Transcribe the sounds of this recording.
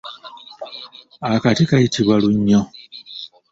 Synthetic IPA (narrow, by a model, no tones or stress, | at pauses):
akatikajitʰiβwaluɲːo